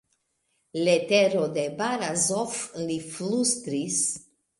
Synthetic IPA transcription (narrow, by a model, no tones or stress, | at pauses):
let̪eɾod̪ebaɾazofliflust̪ɾis